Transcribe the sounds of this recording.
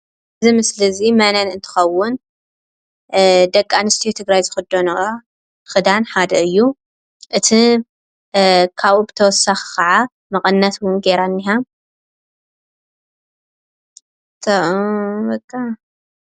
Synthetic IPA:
ʔɨzimɨslɨzimananɨnt̪ʰɨ̥xɐwːʊn | d̪ɐkʼːanɨst̪ʰijot̪ʰɨɡɾajzɨxɨd̪ono | xɨd̪anħad̪ɐɨjːu | ʔɨt̪ʰi | kʰaβubɨt̪ʰɐwɔsaxi̥kʰɐʕa | mɐkʼɐnːat̪wʊnɡeɾanːiɦa | t̪ʰɐbɐkʼːa

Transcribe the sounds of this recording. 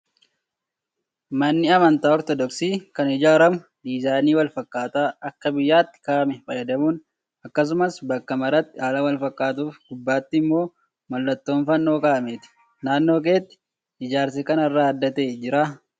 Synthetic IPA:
mɐnːɪɐmɐnt̪aːɔɾt̪ɔd̪ɔksiːkɐnɪd͡ʒaːɾɐmʊ | d̪iːzaːniːwɐlfɐkʼːaːt̪aːɐkːɐbɪjːaːt̪ːɪ̥kaːʔmɛfɐjɐd̪ɐmuːn | ɐkːɐs̬ʊmɐsbɐkːɐmɐɾɐt̪ːɪaːlɐwɐlfɐkʼːaːt̪̬uːfɡ̥ʊbːaːt̪ːɪmːo̞ː | mɐlːɐt̪ːo̞ːnfɐnːo̞ːkaːɐmeːt̪ɪ̥ | naːnːo̞ːk̬e̞ːt̪ːɪ̥ | ɪd͡ʒaːɾsɛkɐnɐrːaːɐd̪ːɐt̪e̞ːd͡ʒɪɾaː

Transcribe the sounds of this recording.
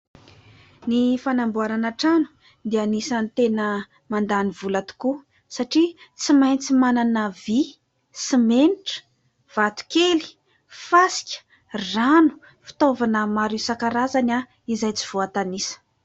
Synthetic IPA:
nifanambuaɾanaʈ͡ʂanu̥ | d̪ianisant̪enə | mand̪anivulat̪u̥ku | saʈ͡ʂit͡simajnt͡simananəvi | simeniʈ͡ʂə̥ | v̥at̪u̥keli̥ | fasi̥kʲə̥ | ranu̥ | fi̥t̪ovanəmaɾusakaɾazana | izajt͡si̥v̥oat̪anisə̥

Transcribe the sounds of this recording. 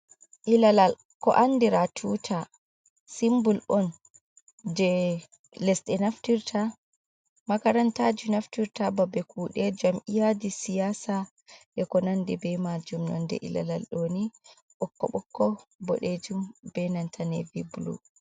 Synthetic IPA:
ʔilalal | kɔ̰ʔandiɾatʰutʰa | simbulʔɔn | d͡ʒɛ | lɛsɗɛnaftiɾtʰa | makaɾantad͡ʒunaftiɾtababɛkuɗɛd͡ʒamʔijadisijasa | ɗɛkɔnandɛbɛmad͡ʒumnɔ̰ndɛ̰ʔḭla̰la̰lɗoːni | ɓɔkːɔ̰ɓɔkːɔbɔ̰ɗed͡ʒumbɛnantʰanɛ̰viblṵ

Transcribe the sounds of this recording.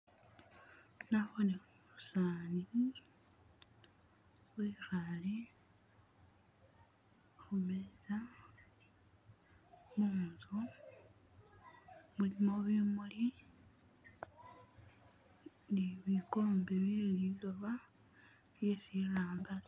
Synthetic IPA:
naβonexumusaːni | wwixali | xumeza | muːnzu | mulimo̞βimuli | niβiko̞ːmbeβililoβa | jesiraːmbas

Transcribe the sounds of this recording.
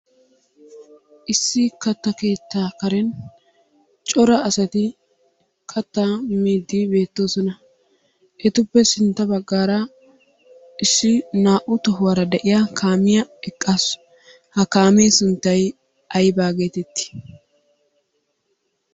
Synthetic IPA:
ʔɪsːɪkɐt̪ːɐke̞ːt̪ːaːkɐɾɛn | t͡ʃʼɔɾɐːsɐt̪ɪ | kʰɐt̪ːaːmiːd̪ːibe̞ːt̪ːo̞ːsɔnɐ | ʔɛt̪ʊpːɛsɪnt̪ːɐbɐɡːaːɾɐ | ɪsːɪnaːʔʊt̪ɔɦʊwɐɾɐd̪ɛʔɪjakʰaːmɪjɐɛkʼːaːs | hɐkaːmeːsʊnt̪ːɐj | ʔɐjbaːɡe̞ːt̪ɛt̪ːɪ̥

